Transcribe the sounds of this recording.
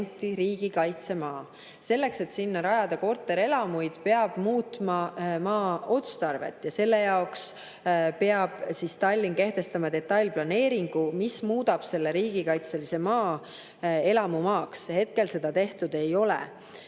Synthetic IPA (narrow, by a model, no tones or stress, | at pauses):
nt̪ːˑiɾiːɡ̥ikɑjt̪se̞mɑː | se̞lːe̞kse̞t̪sinːɑɾɑjɑd̪̥ɑko̞rt̪ːˑe̞ɾe̞lɑmujd̪̥pe̞ɑb̥muːt̪mɑmɑːo̞t̪st̪ɑrve̞̰t̪ːˑjɑse̞lːe̞jɑoks | pe̞ɑb̥sist̪ɑlʲːinke̞ht̪e̞st̪ɑmɑd̪e̞t̪ˑːɑjlʲplɑne̞ːɾiŋɡ̥umismuːd̪ɑb̥se̞lːe̞ɾiːɡ̥ikɑjt̪se̞lise̞mɑː | e̞lɑmumɑːkshe̞t̪̚ke̞lse̞d̪̥ɑt̪e̞ht̪ud̪̥e̞jo̞lɛ̰